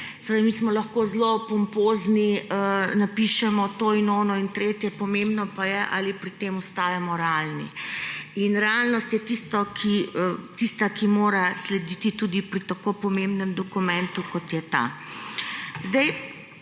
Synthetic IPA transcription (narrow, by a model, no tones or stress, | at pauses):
sɛeamiːsmɔlɐxkozlopɔmpoːzniənapiʃɛmɔt̪oːinoːnɔint̪ɾeːt̪jɛpɔmembnɔpajɛʔa̰lipɾit̪eːmɔst̪aːjamɔɾɛalnḭ | inɾɛalnɔst̪jɛt̪ist̪ɔkʰit̪ist̪akimoːɾaslɛd̪iːt̪it̪uːd̪ipɾit̪akopɔmembnɛmd̪ɔkumɛ̃nt̪ukɔt̪jɛt̪a̰ | zd̪ɛj